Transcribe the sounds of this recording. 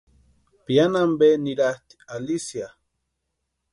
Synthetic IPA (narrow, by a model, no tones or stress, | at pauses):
pianambeniɾaht̪i̥alisja